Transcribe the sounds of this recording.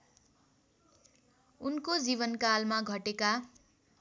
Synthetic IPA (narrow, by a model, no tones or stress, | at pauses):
unkod͡ziβʌnkalmaɡʱʌʈeka